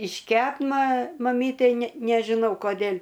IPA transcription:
ɪʃʲˈkʲɛp mɐ mɐˈmʲiːtʲɛɪ nʲɛ nʲɛʒʲɪˈnɐʊ koːˈdʲeːlʲ

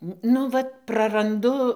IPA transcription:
ˈnʊ ʋɐt prɐrɐnˈdʊ

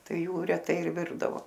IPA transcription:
ˈtɐɪ ˈjuː rʲɛˈtɐɪ ɪr ˈʋʲɪrdɐʋoː

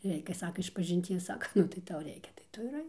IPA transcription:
ˈrʲɛɪkʲɛ ˈsɑːkɐ ɪʃpɐʒʲɪnʲˈtʲiɛs ˈsɑːkɐ ˈnʊ tɐɪ ˈtɐʊ ˈrʲɛɪkʲɛ tɐɪ ˈtʊ ɪr ˈɐɪk

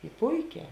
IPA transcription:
ɪ ˈpʊɪˌkʲɛː

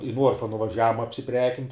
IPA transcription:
ɪ ˈnuɔrfɐ nʊʋɐˈʒʲæːʋʊm ɐpʲsʲɪˈpʲrʲæːkʲɪnʲtʲ

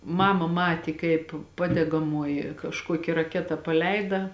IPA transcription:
ˈmɑːmɐ ˈmɑːtʲeː kɐɪp ˈpɑːdʲɛɡɐmoːjɪ kɐʃˈkuɔkʲɪ rɐˈkʲæːtɐ pɐˈlʲɛɪdɐ

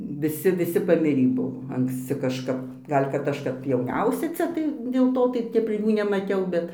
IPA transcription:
ʋʲɪˈsʲɪ ʋʲɪˈsʲɪ pɐˈmʲɪrʲiː ˈbʊʋoː ɐŋksʲˈt͡sʲɪ kɐʃˈkɐp ˈɡɐlʲ kɐt ˈɐʃ kɐp jɛʊˈnʲɛʊsʲɛ ˈt͡sʲɛ tɐɪ dʲeːlˠ ˈtoː tɐɪ ˈtʲɛp ˈjuː nʲɛmɐˈtʲɛʊ ˈbʲɛt

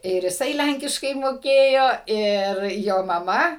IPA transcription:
ɪr jɪˈsɐɪ ˈlʲæŋʲkʲɪʃkɐɪ moːˈkʲeːjoː ɪr ˈjoː mɐˈmɐ

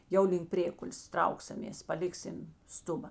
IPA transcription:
ˈjɛʊ lʲɪŋk ˈpʲrʲeːkʊlʲeːs ˈtrɐʊksɐmʲeːs pɐˈlʲɪksʲɪm ˈstʊbɐ

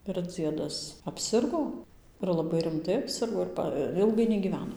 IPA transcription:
ɪr ˈd͡zʲiɛdɐs ɐpʲˈsʲɪrɡoː ɪr lˠɐˈbɐɪ rʲɪmˈtɐɪ ɐpʲˈsʲɪrɡoː ɪr ˈpɐ ˈɪlˠɡɐɪ nʲɛɡʲiːˈʋʲæːnoː

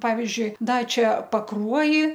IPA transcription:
ˈpɑːʋʲɪzʲd͡ʒʲʊɪ ˈdɐ ˈt͡ʃʲɛ pɐˈkruɔjɪ

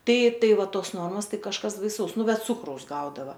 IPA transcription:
ˈtɐɪ ˈtɐɪ ˈʋɐ ˈtoːs ˈnoːrmoːs ˈtɐɪ kɐʃˈkɐs bɐɪˈsɐʊs ˈnʊ ˈbʲɛt ˈt͡sʊkrɐʊs ˈɡɐʊdɐʋɐ

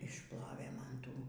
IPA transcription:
ɪʃˈplˠoːʋʲeː ˈmɐn ˈtuː

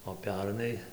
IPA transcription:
oː ˈpʲɛrnɐɪ

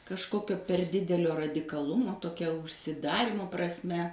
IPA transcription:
kɐʃˈkoːkʲoː pʲɛr ˈdʲɪdʲɛlʲoː rɐdʲɪkɐˈlˠʊmoː toːˈkʲɛ ʊʃʲsʲɪˈdɑːrʲiːmoː prɐsʲˈmʲɛ

